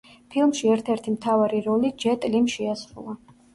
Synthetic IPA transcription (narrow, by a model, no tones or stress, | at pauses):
pʰilˠmʃiɛɾt̪ʰɛɾt̪ʰimt̪ʰavaɾiɾɔlid͡ʒɛt̪ʼlimʃɛasɾṵlˠa